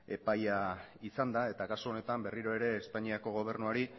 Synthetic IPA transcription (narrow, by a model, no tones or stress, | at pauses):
e̞pajaisand̪ae̞t̪akasoone̞t̪ambe̞riɾo̞e̞ɾe̞ːspaɲiako̞ɣ̞o̞β̞e̞ɾnuaɾi